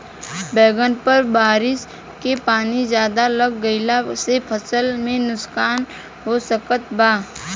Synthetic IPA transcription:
bɛːɡənpəɾbaːɾɪs | kepaːnizjaːd̪aləɡːəɪlasepʰəsəlmẽnʊskaːn | ɦosəkət̪̚baː

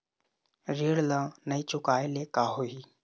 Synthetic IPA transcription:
ɾeːɽlãːnəiːt͡ʃʊkaːeleːkaːɦoːɦiː

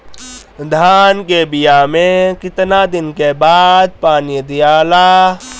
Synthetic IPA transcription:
d̪ʱaːnkebɪjaːmẽkɪt̪nad̪ɪnkebaːd̪̚paːnid̪ɪjaːlaː

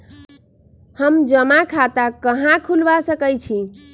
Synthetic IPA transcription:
həmd͡ʒəmakʰat̪akəɦãkʰulʋasəkəjt͡ʃʰi

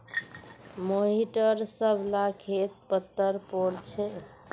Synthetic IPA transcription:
moɦiʈəɾsəbʱlakʰet̪̚pət̪ːəɾpoɾt͡ʃʰɛ

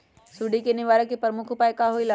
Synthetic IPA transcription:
suɖikenɪʋaːɾəkepɐɾmʊkʰʊpaːekaɦoila

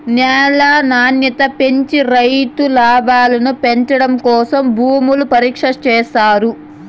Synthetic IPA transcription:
njɛːlaːnaːnjɐt̪ɐpeɲt͡ʃiɾɐjt̪ulaːbaːlɐnupeɲt͡ʃɐɽɐmkɔːsɐmbʱuːmulupɐɾiːkʂɐt͡ʃɛːsaːɾu

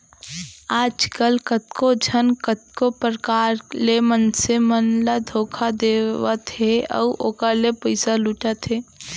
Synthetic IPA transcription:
aːd͡ʒkəlkət̪kod͡ʒʱənkət̪̚kopɾəkaːɾlemənsemənlad̪ʱoːkʰad̪eːwət̪eɔ̰ʔoːkəɾlepəɪsaluʈat̪ɦeː

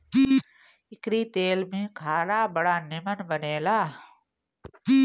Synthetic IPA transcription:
ɪkɾit̪eːlmẽkʰaːɾaːbɐɽaːnɪmənbəneːlaː

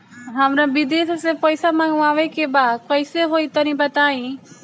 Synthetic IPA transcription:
ɦɐmɾãbɪd̪eːssepɐɪsamãŋɡũaːʋekʰebaːd̪kəɪseɦoːit̪ɐɾĩbɐt̪aːĩ

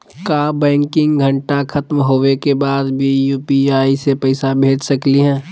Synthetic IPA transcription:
kaːbɛ̃ːŋkɪ̃ŋɡɡʱɐɳʈakʰɐt̪mɦoːwekebaːd̪bʱijuːpiaːisepɐɪsabʱeːd͡ʒsɐkliɦɛ̃ː

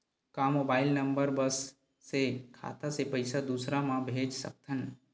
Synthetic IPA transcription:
kamoːbaːɪlnəmbəɾbəsː | ekʰa̰ːt̪asepəɪsad̪uːsɾamãbʱeːd͡ʒsə̰k̚t̪ʰən

